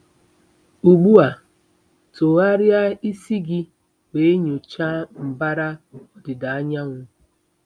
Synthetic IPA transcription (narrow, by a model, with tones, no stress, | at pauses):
u˨ɡ͡bu˦a˨ | to˨a˦ɾja˦i˦si˦ɡɪ˦ | we˨˦e˦ɲo˨t͡ʃa˦m̩˨ba˦ɾa˦ɔ˦dɪ˨da˨a˦ɲa˦ŋʷʊ˦